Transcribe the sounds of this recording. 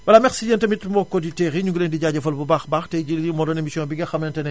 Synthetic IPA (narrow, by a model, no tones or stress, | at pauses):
wɐlamɛxsijɐntɐmitmɔkːɔditɛɣiɲuɡulendiɟaːɟɐfɐlbubaxbaːxtɛɟilimɔːdɔnemisijɔ̃nbiɡɐxɐmnɐntɐnɛ